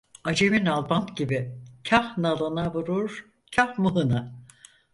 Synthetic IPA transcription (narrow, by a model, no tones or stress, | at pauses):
ad͡ʒeminalˠbant̪ɟibicʰahnalˠɯnavuɾuɾ | cʰahmuɦɯna